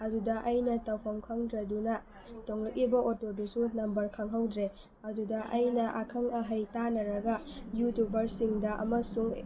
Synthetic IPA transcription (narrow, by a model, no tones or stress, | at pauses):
ɐdudɐʔɐjnɐtɐwpʰɐmkʰɐŋdɾɐdunɐ | toŋlɐk̚libɐotodusunɐmbɐɾkʰɐŋɦawdɾe | ɐdudɐʔɐjnɐʔakʰɐŋɐɦɐjtanɐɾɐɡɐjutubɐɾsiŋdɐʔɐ̰mɐsuŋ